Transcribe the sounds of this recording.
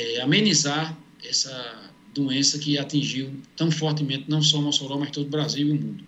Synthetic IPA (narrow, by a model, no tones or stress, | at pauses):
ɛamẽnizaɾ | ɛsɐ | d̪uẽsɐkɪat̪ĩʒiwt̪ɐ̃w̃fɔɾt̪ɪmẽnt̪ɪnɐ̃w̃sɔmɔsoɾãw̃mɐʃt̪od̪ʊbɾaziwiumũnd̪ʊ